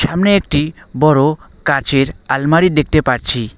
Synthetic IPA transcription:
ʃamneek̚ʈibɔɾo | kat͡ʃeɾalmaɽid̪ek̚t̪epaɾt͡ɕʰi

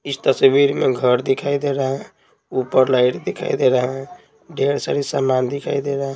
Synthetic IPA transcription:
ist̪əsbiɾmeɡʱəɾd̪ikʰajd̪eɾəɦə̃ | upəɾlaiʈd̪ekʰa̰jd̪eɾəɦə̃ | ɖʱeɾsəɾisəmːand̪ikʰajd̪eɾəɦ

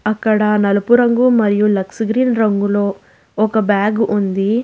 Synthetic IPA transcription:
ɐkːɐɽɐnɐlɐpuɾɐŋɡumɐɾijulɐksɡɾiːnɾɐŋɡulo̞ː | ɔkɐbjaːɡʔund̪i

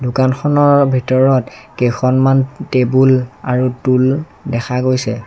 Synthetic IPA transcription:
dʊkanxɔnɔɹbʱitɔɹɔtkejxʰɔnmantebulaɹutul | dɛxʰaɡojsɛ

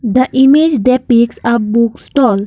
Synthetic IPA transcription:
d̪əʔimed͡ʒɖ̪epiksɔʋbuksʈɔl

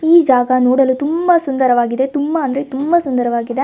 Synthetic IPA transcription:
iːd͡ʒaːɡɐnoːɽɐlut̪umbɐsund̪ɐɾɐʋaːɡid̪e̞t̪umbɐːnd̪ɾet̪umbɐsund̪ɐɾɐʋaːɡid̪e̞

